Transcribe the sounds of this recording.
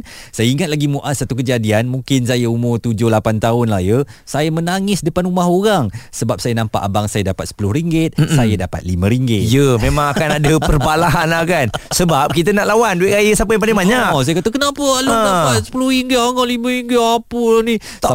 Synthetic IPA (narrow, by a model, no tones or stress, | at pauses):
sajəiŋat̪̚laɡimuʔat̪̚sat̪ukəd͡ʒadianmũŋkɪnsajəumʊrt̪ud͡ʒʊlapant̪aʊnlahjəsajamənaŋɪsdəpanumaɦoɾaŋsəbap̚sajənampa̰ʔabaŋsajədapat̪sə̥pulʊhɾiŋɡɪt̪̚sajadapa̰t̪̚limə̃ɾiŋɡɪt̪̚jəmẽmãŋakanadəpərbalaɦanlahkansəbap̚kit̪ənaʔlawandueʔkajəsap̬əjaŋp̬alɪŋmaɲaksajəkat̪əkənapəlapat̪̚sə̥pulʊhɾiŋɡət̪aŋɔlimə̃ɾiŋɡɪt̪apəlani